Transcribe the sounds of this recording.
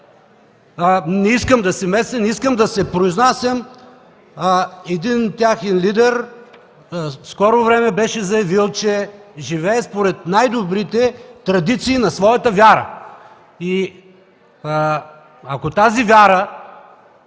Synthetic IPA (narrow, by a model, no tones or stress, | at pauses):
nɛiskəmd̪ɐsɛmɛsɛnɛiskəmd̪ɐsɛpɾoiznasəm | ɛd̪int̪ʲjaxɛnlid̪ɛɾ | skɔɾovɾɛmɛbɛʃɛzɐjɐvilˠt͡ʃɛʒivɛːspoɾɛt̪̚najd̪obɾit̪ɛt̪ɾɐd̪it̪siːnɐsvɔjɐt̪əvʲjaɾə̰ | i | ɐkot̪azivʲjaɾə